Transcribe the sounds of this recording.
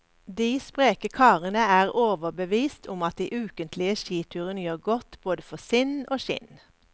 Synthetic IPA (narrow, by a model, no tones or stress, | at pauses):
d̪iːspʁeːkəkʰɑːʁənəæːʁoːʋəbəʋiːst̪ʰʊmɑt̪̚d̪ḭːʔʉːkənt̪lɪəʃiːt̪ʰʉːʁənəjøːʁɡɔt̪b̥oːd̪əfɔsɪnoːʃɪ̰n